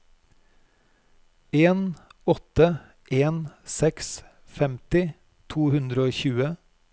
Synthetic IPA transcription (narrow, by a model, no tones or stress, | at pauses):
eːnɔt̪ə | ʔeːnsɛks | fɛmt̪ɪ | t̪ʰuːhʉnd̪ɾəoːçʉːə